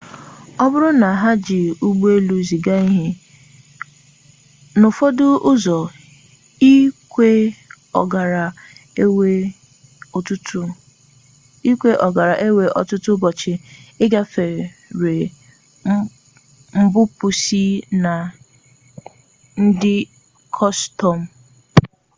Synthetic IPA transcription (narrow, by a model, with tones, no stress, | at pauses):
ɔ˦bʊ˦ɾʊ˦na˨ɦa˦d͡ʒɪ˨u˦ɡ͡bu˦e˦lu˦zi˨ɡa˦i˦ɦɪ˦ | nʊ˨fo˦dʊ˦ʔʊ˦zɔ˨ | i˦ke˦ | ɔ˨ɡa˨ɾa˨e˦we˦ | o˨tʊ˦t | i˦kʷe˦ʔɔ˨ɡa˨ɾa˨ʔe˦we˨ʔɔ̰˨tʊ˦tʊ˦bɔ˨t͡ʃɪ˨ɪ˦ɡa˦fe˨ɾe˨ | m̩˦bʊ˦pʊ˨si˦na˨ | n̩˦dɪ˦ | kʰɔ˦stɔ˨m̩˨